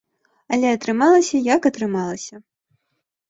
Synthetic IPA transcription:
ɐlʲɛɐt̪ɾɨmalˠɐsʲɐjɐkɐt̪ɾɨmalˠɐsʲɐ

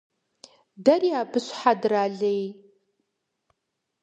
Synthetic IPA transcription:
darijaːbɨɕʷħadraːɮej

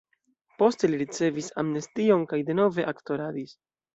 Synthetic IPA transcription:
po̞ste̞liɾit͡se̞visamnestio̞nkajde̞no̞ve̞ʔakto̞ɾadis

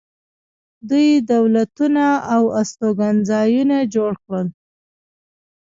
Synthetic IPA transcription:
d̪ujd̪awlat̪unaawast̪oɡanzɑjunad͡ʒoɽkɽəl

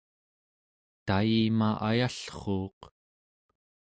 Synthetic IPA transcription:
t̪ajimaʔajaɬχoːq

